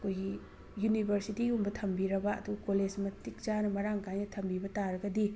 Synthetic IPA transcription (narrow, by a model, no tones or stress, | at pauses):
ɐkʰojɡi | junibʱɐɾsitiumbɐtʰɐmbiɾɐbɐɐ̰duɡɐkoled͡ʒmɐtik̚d͡ʒanɐmɐɾaŋkajnɐtʰɐmbibɐtaɾɐɡɐdi